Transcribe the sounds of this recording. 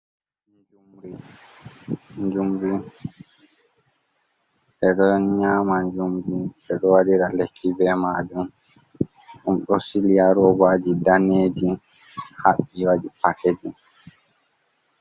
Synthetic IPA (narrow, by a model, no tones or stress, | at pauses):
nd͡ʒumɾi | nd͡ʒumɾi | ʔɛɗɔɲaːmaɲd͡ʒumɾi | ɛɗɔwadiɾalekʰːibɛmaːd͡ʒum | ɗumɗɔsilijaɾɔwad͡ʒidaneːd͡ʒi | haɓːiwaɗipaked͡ʒi